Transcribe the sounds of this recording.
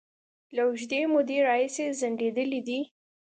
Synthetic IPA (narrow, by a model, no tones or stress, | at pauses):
lawʒd̪emʊd̪eɾɑhisezaɳɖed̪əlid̪i